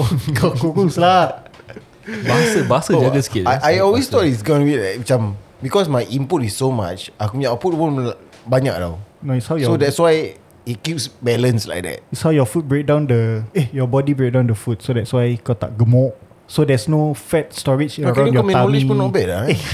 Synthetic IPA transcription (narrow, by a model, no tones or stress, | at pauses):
kakukusla | basəbasəɔɡəskeaʔajɔlwest̪ɔtis̬ɡɔ̃nwitlait͡ʃãmbikɔsmajʔĩmputisːoma̰t͡ʃʔakumaput̚pɔ̃nbaɲa̰k̚da̰wnoitshawjɔodɛtswaj | it̚kipsbɛlə̃nsla̰jk̚dɛ̰t̚itshawjɔfut̚bɹek̚dãw̃ndəejɔbɔdibɹek̚dãʊ̃ndəfut̚sodɛtswajkɔt̪a̰ʔ̚ɡəmɔʔ̚ | sodɛsnofɛt̚stɔɹit͡ʃəɹãw̃jɔmɛ̃ãmipɔnobɛdae